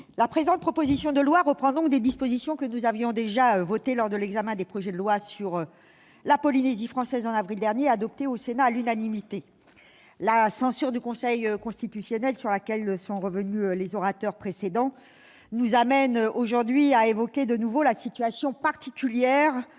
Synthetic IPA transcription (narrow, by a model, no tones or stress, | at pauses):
lapχezɑ̃t̪̚pχɔpozisjɔ̃d̪əlwaʁəpχɑ̃d̪ɔ̃k̚d̪ed̪ispozisjɔ̃kənuzavjɔ̃d̪eʒaøvɔt̪elɔʁd̪əlɛɡzamɛ̃d̪epχɔʒɛd̪əlwasyʁ | lapɔlinezifχɑ̃sɛzɑ̃navʁild̪ɛʁnjead̪ɔp̚t̪eosenaːlynanimit̪e | lasɑ̃syʁd̪ykɔ̃sɛjkɔ̃st̪it̪ysjɔnɛlsyʁlakʲɛlsɔ̃ʁəvənyølezɔʁat̪œʁpχesed̪ɑ̃ | nuzamɛnoʒuʁd̪ɥiaevɔkʲed̪ənuvolasit̪ɥasjɔ̃paʁt̪ikʲyljɛʁ